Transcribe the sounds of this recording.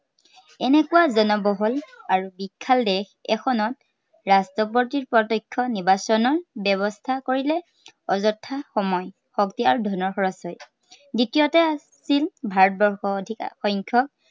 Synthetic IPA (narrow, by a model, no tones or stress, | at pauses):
ɛnɛkuwazɔnɔbɔɦɔlaɹubikʰːaldɛxɛ̰xʰɔnɔt | ɹastɔpɔtiɹpɹɔtɔkʰːɔniɹbasɔnɔɹbɛβɔstʰakoɹilɛ | ɔzɔtʰːaxɔmɔj | xɔktiaɹudʱɔnɔɹxɔɹɔsɔj | ditijɔtɛa | silbʱaɹɔt̚bɔɹxɔdʱikxɔŋkʰɔk̚